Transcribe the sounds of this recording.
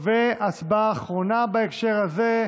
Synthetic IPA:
veasbaːχʁonabaekʃeʁhaze

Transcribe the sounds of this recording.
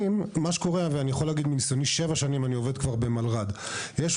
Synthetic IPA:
immaʃeko̞ʁe̞veanijaχo̞laːɡid̪minisjoniʃe̞vaʃanimanio̞ve̞d̪kvaʁbe̞malʁad̪jeʃ

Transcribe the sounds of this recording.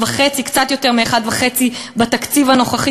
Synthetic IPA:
vaχet͡sikt͡sat̪jo̞t̪eʁmieχad̪vaχe̞t͡sibat̪akt͡sivano̞χaχi

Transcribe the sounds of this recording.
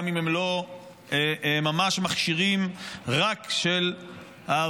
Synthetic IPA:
mimemlo̞ | emamaʃmaχʃiʁimʁakʃel | ha

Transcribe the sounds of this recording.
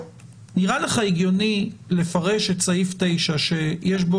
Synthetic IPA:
niʁaleχaeɡjo̞nile̞faʁe̞ʃe̞tsaifte̞jʃaʃe̞jeʃ̬bo

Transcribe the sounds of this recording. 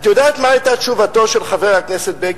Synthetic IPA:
t̪jodaːt̪maajtaʃuvato̞ʃelχaveʁhakneset̪̚be

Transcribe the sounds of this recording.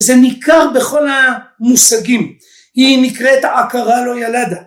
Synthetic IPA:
zenikaʁbeχo̞lamusaɡim | hinikʁet̪aakaʁalo̞jalad̪a

